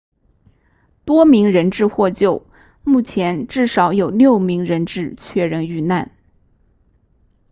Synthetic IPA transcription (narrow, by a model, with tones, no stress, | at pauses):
t̪wɔ˥mi˧˥ŋɻə˧˥nʈ͡ʂɻ̩˥˧xwɔ˥˧t͡ɕjo˥˩ʊ | mu˥˩t͡ɕʰjɛ˧˥nʈ͡ʂɻ̩˥˩ʂɑ˧˥ʊjo˨˩ʊljo˥˩ʊmi˧˥ŋɻə˧˥nʈ͡ʂɻ̩˥˧t͡ɕʰɥɛ˥˧ɻə˥˧ny˥˧na˥˩n